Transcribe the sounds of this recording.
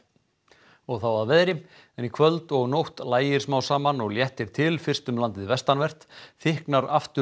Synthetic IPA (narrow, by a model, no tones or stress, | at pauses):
ɔɣθawaðvɛːðɾɪ | ɛnikʰvœlt̪ɔɣnowht̪laːjɪɾ̥smaːwsaːmanɔɣljɛht̪ɪɾ̥t̪ʰɪlfɪr̥st̪ʏmlant̪ɪðvɛst̪anvɛr̥t̪θɪhknaɾaft̪ʏ